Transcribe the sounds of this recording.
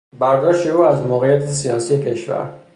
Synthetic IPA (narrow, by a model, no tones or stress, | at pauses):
baɾɡ̪aʃiuazmɔɣiat̪ʰisiɑnsiɛkʰɛʃva̰ɾ